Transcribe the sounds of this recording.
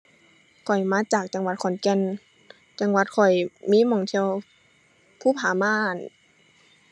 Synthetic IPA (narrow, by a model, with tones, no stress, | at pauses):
kʰɔ˨˩jmaː˧˥t͡ɕaː˨˩k̚t͡ɕa˧˦ŋwa˧˦t̪̚kʰɔ˨˩˦nkɛ˧˥˨n | t͡ɕa˧˨ŋwa˧˦t̪̚kʰɔ˨˩jmiː˧˥˨mɔː˧˩˨ŋt̪ʰi˧ə˧w | pʰuː˧˨pʰaː˨˦maː˧˨˥n